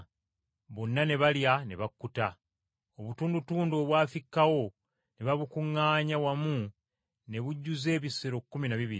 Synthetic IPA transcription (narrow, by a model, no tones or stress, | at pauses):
βo̞nːane̞βaljane̞βakːuta | o̞βutuːndutuːndoːβwaːfikːawo̞ | neβaβukuŋːaːɲawamu | ne̞βuɟːuze̞ːβisːeɾo̞kːuminaβiβiɾ